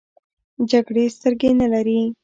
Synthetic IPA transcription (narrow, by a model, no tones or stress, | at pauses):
d͡ʒaɡɽest̪əɾɡenalaɾi